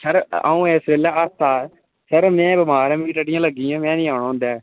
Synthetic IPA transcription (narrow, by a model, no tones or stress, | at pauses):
sʰəɾa̰ːũːeːsɾeːlaːəst̪aː | sʰəɾmɛ̃ːbəmaːɾãːmiːʈəɖɪjãːləɡːiːãːmɛ̃ːnĩːaːɳãːɦʊ̃nd̪ɛː